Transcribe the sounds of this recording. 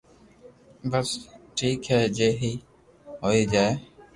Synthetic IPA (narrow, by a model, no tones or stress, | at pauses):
bəsʈʰiːkɦɛːd͡ʒeːɦiː | ɦoːiːd͡ʒaːeː